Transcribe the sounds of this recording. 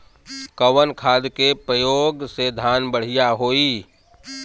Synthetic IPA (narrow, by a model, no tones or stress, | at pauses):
kəwənkʰaːd̪kepɾəjoːɡsed̪ʱaːnbəɽ̤ijaɦoːiː